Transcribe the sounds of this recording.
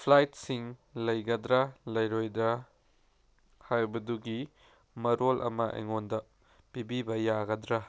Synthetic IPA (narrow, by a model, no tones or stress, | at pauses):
pʰlajtsiŋlɐjɡɐdɾɐlɐjɾojdɾɐ | hajbɐduɡi | mɐɾolʔɐ̰mɐʔḛŋondɐ | pibibɐjaɡɐd̪ɾɐ